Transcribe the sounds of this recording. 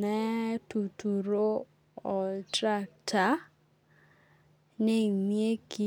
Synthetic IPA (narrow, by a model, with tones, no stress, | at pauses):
ɛ˦tu˨tu˨ɾo˦ | ɔ˨tɾa˦k̚tʰa˨ | ne˦˨mie˦ki˦